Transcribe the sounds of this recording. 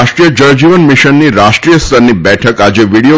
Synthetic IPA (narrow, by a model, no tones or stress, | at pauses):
ʃʈɾijəd͡ʒəɾd͡ʒiʋənmiʃənːiɾaʃʈɾijəst̪ʰəɾnibɛʈʰəkad͡ʒeʋiɽijo